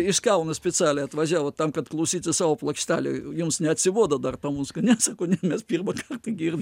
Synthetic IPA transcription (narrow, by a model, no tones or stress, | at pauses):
ɪʃkɛʊnɐsʲpʲɛt͡sʲæːlʲɛɪɐt̪ʋɐʒʲæːʋoːt̪ɐmkɐt̪klˠɐʊsʲiːt̪ʲɪsɑːʋoːplˠɐkʃʲt̪ʲæːlʲḛjʊmsnʲɛɐt̪ʲsʲɪʋuɔd̪ɐd̪ɐrt̪ɐmuskɐnʲɛsɑːkoːnʲɛmʲɛspʲiːrmɐkɐrt̪ɐɡʲiːrʲ